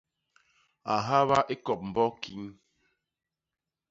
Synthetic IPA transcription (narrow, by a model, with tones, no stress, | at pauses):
a˨ɦa˦βa˦ʔe˦kɔ˨p̚m̩˨bɔ˦ki˦n